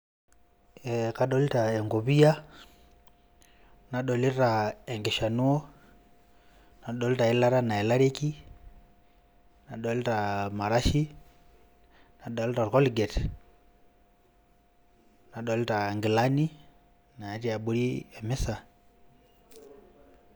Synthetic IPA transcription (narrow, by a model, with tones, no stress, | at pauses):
ɛka˨ɗɔlitaɛ˨ŋɡu˨βi˦ja˦ | na˨ɗɔli˦ɾaɛ˨ŋɡi˨ʃa˨nu˦ɔ˦ | na˨ɗɔ˦lita˨ila˦ɾana˨ɛ˨la˦ɾiki | na˨ɗɔ˦li˦ɾama˨ɾaʃi | na˨ɗɔli˦ɾaɾkɔ˦liɡɛ˨t | na˨ɗɔlitaŋɡi˨lani˦ | na˨ɛ˨ti˦a˨ɓu˦ɾiɛ˨mi˦sa˨